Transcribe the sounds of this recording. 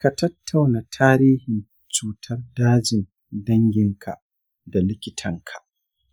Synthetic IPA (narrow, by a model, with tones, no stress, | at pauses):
ka˨tɐ˦tʰːa˨wna˨tʰaː˦ɾiː˦hɪ˨n | t͡ʃuː˨tʰɐ˦rdaː˦d͡ʒɪ˨n | dɐ˦ŋɡʲɪ˦ŋkʰa̰˨ | da˨lɪ˦kʲɪ˦tʰɐ˦ŋkʰḁ˨ʔ